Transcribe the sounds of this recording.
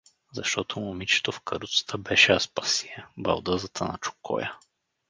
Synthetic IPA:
zɐʃt̪ɔt̪omʊmit͡ʃɛ̥t̪ofkəɾut̪sə̥t̪ʰəbɛʃɛɐspɐsiɛbɐ̰lˠd̪ɤzət̪ʰənɐ̰t͡ʃʊ̥kʰɔ̰jə

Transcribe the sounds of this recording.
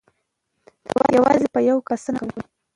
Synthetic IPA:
d̪̥awjawɑ̰zepəjawkasənawwa

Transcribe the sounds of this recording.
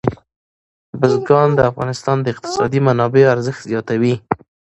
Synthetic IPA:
bəzɡɑnd̪əafɣɑnɪst̪ɑnd̪əɪq̚t̪ɪ̥sɑ̰d̪imanɑbeoaɾzəxt̪zjɑt̪awi

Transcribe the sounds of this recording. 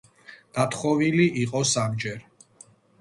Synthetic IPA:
d̪̥at̪ʰχɔviliʔiqʼɔsamd͡ʒɛɾ

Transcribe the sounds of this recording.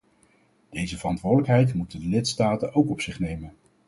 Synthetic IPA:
d̥ejzəvərɑntʋʊːdələkɦɛjtmutəndəlɪtstaːtənowkɔpsɪχnejmən

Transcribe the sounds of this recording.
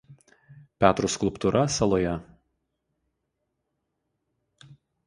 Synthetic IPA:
pʲæːt̪ɾuskʊlˠˑpt̪uːɾʔɐsɐlˠoːjɛ

